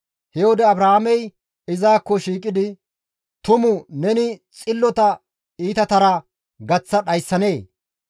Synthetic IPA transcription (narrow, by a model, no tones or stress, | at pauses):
hɛod̪ɛɐbɾahamɛj | ɪzaːkːɔʃiːkʼɪd̪ɪ | t̪ʊmʊnɛnɪt͡sʼɪlːɔt̪ɐ | iːt̪ɐt̪ɐɾɐ | ɡɐt͡sːɐɗɐjsːɐne̞ː